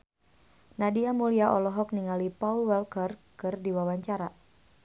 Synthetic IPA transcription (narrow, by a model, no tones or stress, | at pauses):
nadiamuliaʔɔlɔɦɔk̚niŋalipaulwɛlkərkɨrdiwawaɲt͡ʃaɾa